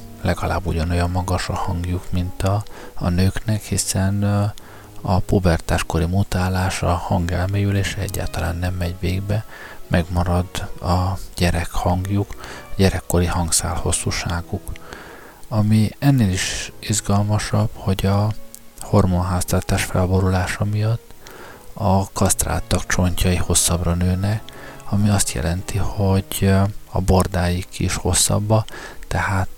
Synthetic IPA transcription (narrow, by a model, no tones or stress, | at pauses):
lɛɡɒla̰ːbːuɟɒno̞jɒmːɒɡɒʃɒhɒŋɡjukmint̪ɒ̰ːnøːknɛkhisɛn | ɒpobɛrt̪aːʃko̞ɾimut̪aːlaːʃɒhɒŋɡɛlmeːjyleːʃɛɛɟːa̰ːlt̪ɒla̰ːnːɛmːɛɟveːɡbɛ | mʔɛɡmɒɾɒd̪ɒɟ̥ɛɾɛkhɒŋɡjukɒɟɛɾɛkːo̞ɾihɒŋɡsa̰ːlho̞sːuːʃaːɡuk | ɒmiɛnːeːliʃizɡɒlmɒʃɒb̥ho̞ɟɒho̞rmonɦaːst̪ɒrt̪aːʃfɛlbo̞ɾulaːʃɒmijɒt̪ː | ɒkɒst̪ra̰ːt̪ːɒkt͡ʃo̞ɲcɒiho̞sːɒbrɒnøːnɛɒmiɒst̪jɛ̰lɛnt̪iho̞ɟɒ̰bo̞rd̪aːjikḭʃho̞sːɒ̰bːɒt̪ɛhaːt̪